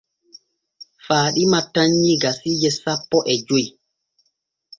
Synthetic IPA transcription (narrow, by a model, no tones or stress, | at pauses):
faːɗimatːaɲːiɡasiːd͡ʒɛsapːɔʔɛd͡ʒoj